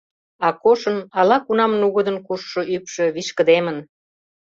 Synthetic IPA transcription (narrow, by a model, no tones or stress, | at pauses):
ɑkoʃə̆nɑlɑkunɑmnuɣəd̪ənkuʃːŏʔypʃø̆βiʃkə̆d̪emən